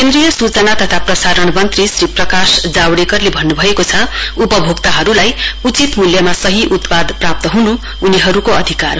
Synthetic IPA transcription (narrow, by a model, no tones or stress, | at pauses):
kend̪rijʌsut͡sʌnat̪ʌt̪ʰaprʌsaɾʌɳmʌnt̪risriprʌkasd͡zawɽekʌrlebʱʌnːubʱʌekot͡sʰʌupʌbʱoɡt̪aɦʌɾulajut͡sit̪muljʌmasʌɦiʔut̪pad̪prap̚t̪ʌɦunu | uniɦʌɾukoʌd̪ʱika̰r